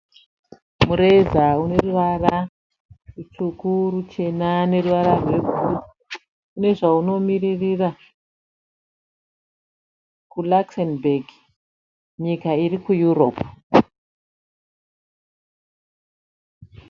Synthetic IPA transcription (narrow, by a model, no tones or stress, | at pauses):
muɾezaune̞ruʋara | rut͡ʃukurut͡ʃe̞nane̞ruʋaɾarwe̞ɡʱu | kune̞ʐauno̞miririːra | kulaksenbeɡ | ɲikairikujuro̞p